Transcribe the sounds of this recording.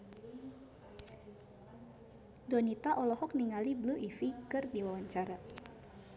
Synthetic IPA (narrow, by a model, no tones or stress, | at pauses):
dɔnit̪aʔɔlɔhɔk̚niŋalibluʔifikɨrdiwawaɲt͡ʃaɾa